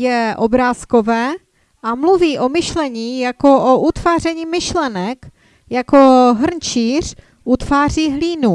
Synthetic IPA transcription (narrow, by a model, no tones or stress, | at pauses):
jɛʔobɾaːskovɛː | ʔamluviːʔo̞mɪʃlɛɲiːjako̞ʔoʔut̪vaːr̝ɛɲiːmɪʃlɛnɛk | jako̞ɦr̩nt͡ʃiːr̝ | ʔut̪vaːriːɦliːnu